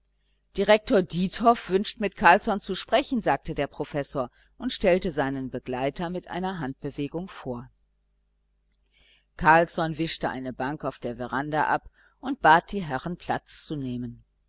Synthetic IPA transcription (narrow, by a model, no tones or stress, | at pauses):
d̥iʁɛk̚toːɐdiːtʰɔfv̥ʏnʃtmɪtkʰaɐlsɔnt͡suʃpʁ̥ɛçn̩zaːk̚tədeːɐpʁ̥ofɛsoːɐ | ʔʊntʃtɛltəzaɪnənbəɡlaɪtɐmɪtʔa̰ɪnɐɦant̚b̥əveːɡʊŋfoːɐ | kʰaɐlsɔnvɪʃtəʔa̰ɪnəbaŋkaʊfd̥eːɐvɛʁandaʔap | ʔʊnt̚b̥aːt̚d̥iːɦɛʁənpʰl̥at͡st͡suneːmən